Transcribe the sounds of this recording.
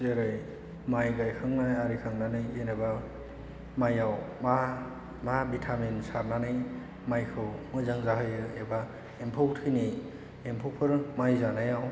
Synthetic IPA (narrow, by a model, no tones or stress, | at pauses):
zeɾɯj | majɡajkʰaŋnajaɾikʰaŋnanɯjeneba | majawma | mabitʰamensaɾnanɯj | majkʰɯwmɯzaŋzaɦɯjɯeba | empʰoktʰɯjni | empʰokpʰɯɾmajzanajaw